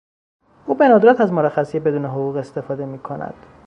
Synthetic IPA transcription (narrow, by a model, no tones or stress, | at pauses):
uːbe̞nɒːd̪oɾæt̪ʰæzmoɾæxæsijebe̞d̪uːneɦoɣuːɣe̞st̪e̞fɒːd̪e̞miːkʰonæ̰d̪̥